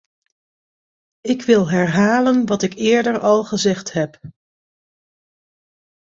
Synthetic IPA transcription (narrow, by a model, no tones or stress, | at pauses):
ɪkʋɪlˠɦɛɹɦaːlənʋɑtɪkɪːɹdəɹɑlˠχəzɛχtɦɛp